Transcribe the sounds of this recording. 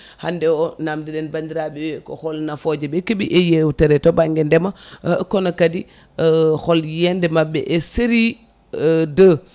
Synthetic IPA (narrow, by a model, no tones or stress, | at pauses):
handɛɔnamdiɗɛnbandiɾaɓɛwɛkɔ̰xɔlnafɔd͡ʒɛbɛkebiʔɛjewtɛɾɛtɔbaŋɡɛndɛmakɔnakadi | xɔljɛndɛmabːɛ̰ʔɛseɾi | də